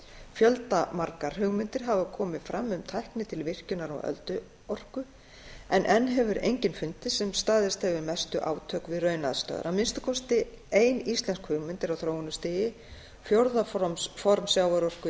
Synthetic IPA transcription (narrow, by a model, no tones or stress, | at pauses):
fjœlt̪amaɾkaɾ̥ɦʏɣmʏnt̪ɪɾ̥ɦavakʰɔːmɪðfɾamːʏmt̪ʰajhknɪt̪ʰɪlvɪr̥cʏnaɾɔ̰wœ̰lt̪ʏ | ɔr̥kʏ | ɛnʔɛnːɦɛvʏɾḛjɲcɪnfʏnt̪ɪsɛmst̪aːðɪst̪hɛvʏmɛst̪ʏʔa̰ːwt̪ʰœːkvɪðrœɥna̰ðst̪œ̰ːða̰ɾawmɪnst̪ʏ̥kʰɔst̪ɪ | eːjnist̪lɛnskhʏɣmʏnt̪ɪɾawθɾoːwʏnʏst̪ɪːjɪ | fjowɾðaffɔɾmsjawaɾɔr̥kʏ